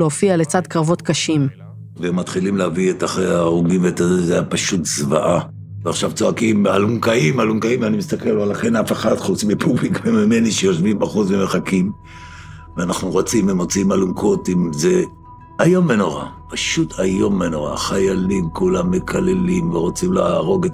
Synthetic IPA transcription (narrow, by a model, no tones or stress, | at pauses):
lofiale̞t͡sad̪kʁavo̞t̪kaʃim | veemat̪χilimleavietaχejaʁuɡimveːtazezajapaʃutzvaʔa | veaχʃavt͡so̞akimaluŋkaimaluŋkaimvanimist̪akeloalaχenafeχadχut͡smipʰublikmemime̞niʃejo̞ʃvimbaχut͡smeme̞χakim | veanaχnuʁo̞t͡simemot͡siimaluŋkʰo̞timze | ajo̞mːe̞noʁa̰paʃutʰajo̞mːeno̞ʁa̰χajalimkulamːe̞kʰale̞limveʁo̞t͡simlaaʁo̞ɡet